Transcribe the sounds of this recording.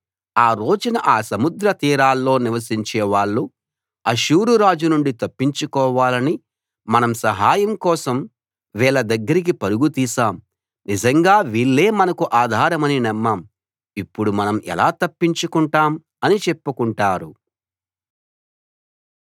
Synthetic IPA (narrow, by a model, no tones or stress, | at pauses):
aːɾo̞ːd͡ʒunɐʔaːsɐmud̪ɾɐt̪iːɾaːlːo̞ːniʋɐs̬iɲt͡ʃɛːʋaːɭːu | ɐʃuːɾuɾaːd͡ʒunuɳɖit̪ɐpːiɲt͡ʃukɔːʋaːlɐni | mɐnɐmsɐɦaːjɐmkɔːsɐm | ʋɛːɭɐd̪ɐɡːɐɾik̬ipɐɾuɡut̪iːsaːm | nid͡ʒɐŋɡaːʋiːɭːe̞ːmɐnɐkuʔaːd̪ʱaːɾɐmɐninɛmːaːm | ipːuɽumɐnɐmɛ̰laːt̪ɐpːiɲt͡ʃukuɳʈaːm | ɐnit͡ʃepːukuɳʈaːɾu